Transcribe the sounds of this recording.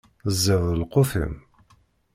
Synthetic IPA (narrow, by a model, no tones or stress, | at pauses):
zːəðˤəlqːofə̰m